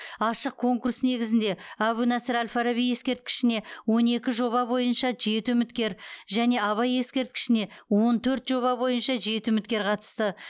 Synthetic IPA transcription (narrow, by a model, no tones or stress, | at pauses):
ɑʃəq̚kʰo̞ŋkursne̞ɡʲɪzɪnd̪e̞æwunæsəɾælʲfaɾaβije̞skʲe̞ɾt̪̚kʲɪ̥ʃɪne̞wo̞ne̞kʲɪʒo̞βɑbo̞jənʃɑʒe̞t̪ʏmɪt̪kʲe̞ɾʒæne̞ɑβɑje̞skʲe̞ɾt̪̚kʲɪ̥ʃɪne̞wo̞nt̪ʰɵɾt̪ʒ̥o̞βɑbo̞jənʃɑʒe̞t̪ɪɵmɪt̪kʲe̞ɾqʰɑt̪ə̥st̪ə